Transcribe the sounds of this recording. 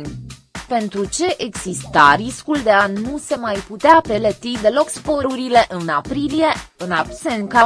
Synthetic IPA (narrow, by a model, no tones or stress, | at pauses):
n | pe̞nt̪ɾut͡ʃe̞ʔeɡz̥ist̪aɾiskuld̪e̞anuse̞majput̪eape̞let̪id̪e̞lo̞kspoɾuɾile̞ʔɨnapɾilije̞ɨnabsenka